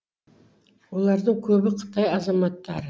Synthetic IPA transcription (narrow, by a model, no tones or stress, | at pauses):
wo̞lˠɑɾd̪əɴkʲʰɵbɪqʰə̥t̪ɑjɑzɑmɑt̪ːɑɾə